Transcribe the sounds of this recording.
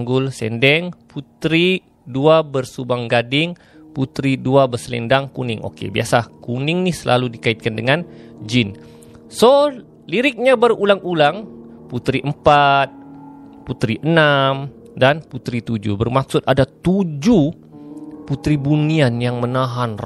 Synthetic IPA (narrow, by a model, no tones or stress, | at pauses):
ŋɡʊlsɛ̰ndɛŋput̪ɾi | duabərsubaŋɡadɪŋ | put̪ɾiduabərsəlɛ̰ndaŋkunɪ̰ŋʔo̰kḛbiasakunɪŋnisəlʔa̰ludikait̪̚kandəŋand͡ʒin | so | liɾɪk̚ɲabərulaŋulaŋput̪ɾiʔəmpat̪̚ | put̪ɾiʔənam | danput̪ɾit̪ud͡ʒṵbərmak̚sʊt̪̚adat̪ud͡ʒu | put̪ɾibunianjaŋmənaɦanr